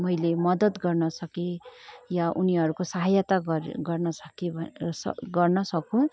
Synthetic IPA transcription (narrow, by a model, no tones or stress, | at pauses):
mʌjlemʌd̪ʌt̪ɡʌrnʌsʌkijaʔuniɦʌɾukosaɦajat̪aɡɡʌrnʌsʌ̥kibʱsʌ̰ɡʌrnʌsʌkũ